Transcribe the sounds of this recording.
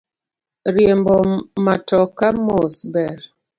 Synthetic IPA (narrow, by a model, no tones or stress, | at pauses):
ɾjembɔmatɔkamosbɛɾ